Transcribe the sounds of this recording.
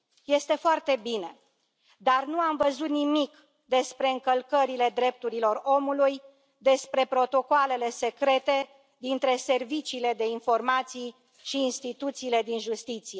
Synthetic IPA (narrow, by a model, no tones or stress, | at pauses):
je̞st̪e̞foart̪e̞bine̞ | d̪arnuamvəzut̪nimik | d̪e̞spɾe̞ɨŋkəlkəɾile̞d̪ɾe̞p̚t̪uɾilo̞ro̞muluj | d̪e̞spɾe̞pɾo̞t̪o̞koale̞le̞se̞kɾe̞t̪e̞ | d̪int̪ɾe̞se̞rvit͡ʃiːle̞d̪e̞info̞rmat̪sij | ʃiːnst̪it̪ut̪siːle̞d̪inʒust̪it̪sije̞